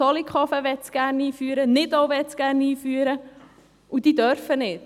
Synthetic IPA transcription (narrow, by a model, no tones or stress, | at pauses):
ɔlikχɔfəʋɛtt͡sɡ̥æːrniːfyːəɾənɪdoʊʋɛtt͡sɡ̥æːɾniːfyːəɾə | ud̥̪iːd̪œɾfənɪt